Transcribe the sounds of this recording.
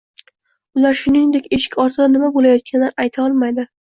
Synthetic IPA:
ʊlaɾʃʊnɪŋd̪ekʲe̞ʃɪ̥kʲɒɾt̪ʰɪd̪anɪmabolajɒt̪̚kʲʰanɪʔajt̪ʰaɒlˠmajd̪ɪ

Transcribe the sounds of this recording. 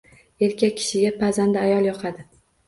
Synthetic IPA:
e̞ɾkʲakʲʰːɪ̥ʃɪɡʲapʰazand̪ɪajɒlˠjɒqʰad̪ɪ

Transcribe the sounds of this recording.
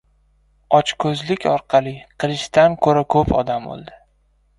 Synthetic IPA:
ɒt͡ʃkʰɵzlɪkʲɒɾqʰɑlˠɪqʰɨlɪʃt̪ankʰɵɾakʰɵpʰɒ̰d̪ambo̰lˠd̪ɪ

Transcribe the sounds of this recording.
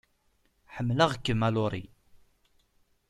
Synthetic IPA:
ħəmːləʁkːəmælʊɾˤḭ

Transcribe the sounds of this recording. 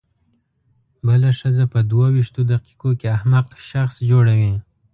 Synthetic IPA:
bəlaʂəzapəd̪wawiʃt̪od̪aqi̥kokeahmaqʃaxsd͡ʒoɽawi

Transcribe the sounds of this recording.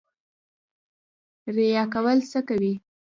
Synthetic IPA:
ɾejɑkawəlsəkawi

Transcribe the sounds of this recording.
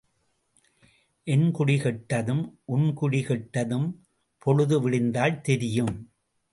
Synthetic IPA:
ʔɛnkʊɽɪɣɛʈːɐðɯmʔʊnkʊɽɪɣɛʈːɐðɯm | pʰɔɻɯðɯʋɪɭɪnd̪aːlt̪ɛɾɪjɯm

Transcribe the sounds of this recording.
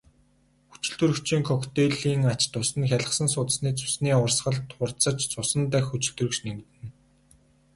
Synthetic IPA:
xu̥t͡ɕɪ̆ɮt̪ɵ̆rɵ̆kt͡ɕʰiːŋkʰɔkt̪eɮiːŋat͡ɕt̪ʊsɘ̆nxʲaɮə̆χsə̆nsʊːt̪ə̆sniːt͡sʰɵ̥sniːʊrsɢə̆ɮt̪χʊrt͡sə̆t͡ɕt͡sʊsə̆nt̪æxut͡ɕɪ̆ɮt̪ɵ̆rɵ̆kʃneŋt̪ɘ̆n

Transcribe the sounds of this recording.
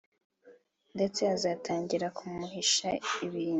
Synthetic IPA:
nde̞t͡se̞azaːtʰaːɲɟiɾakʰumuhiʃaiβiːn

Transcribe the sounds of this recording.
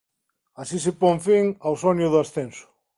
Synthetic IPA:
asisepoŋfiŋawsonjʊðʊasθensʊ̥

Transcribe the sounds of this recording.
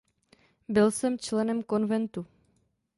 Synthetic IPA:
bɪlsɛmt͡ʃlɛnɛmko̞nvɛnt̪u

